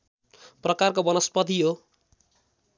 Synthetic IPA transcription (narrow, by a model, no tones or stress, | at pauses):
prʌkarkobʌnʌspʌt̪iɦo